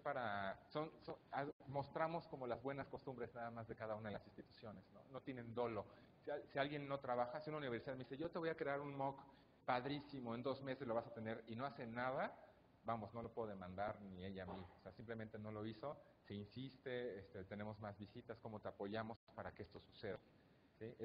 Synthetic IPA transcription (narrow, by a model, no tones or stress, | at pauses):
paɾaso̞nsoamo̞st̪ɾamo̞sko̞mo̞lazβwe̞nasko̞st̪ũmbɾe̞znaðamazðe̞kaðaunaðelasinst̪it̪u̥sjo̞ne̞z̥no̞̰no̞t̪je̞nẽ̞nd̪o̞lo̞ | siasialɣje̞nːo̞t̪ɾaβaxasiunauniβ̞eɾsiðaðmeiseʝo̞t̪e̞βo̞jakɾe̞aɾunmok | paðɾisimo̞e̞nd̪o̞zme̞sezlo̞βasat̪e̞ne̞ɾino̞ase̞nað̞a | bamo̞zno̞lo̞pe̞ðoðe̞mãnd̪aɾnie̞ʎamioseasimple̞mẽnt̪e̞no̞lo̞iso̞ | seinsist̪e̞est̪e̞t̪ene̞mo̞zmazβisit̪asko̞mo̞t̪eapo̞ʝamo̞spaɾakeest̪o̞suse̞ða | si